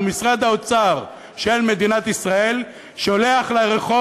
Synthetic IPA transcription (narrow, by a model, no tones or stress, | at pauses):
misʁad̪aot͡saʁ | ʃe̞lme̞d̪inat̪isʁae̞l | ʃoleaχleʁeχo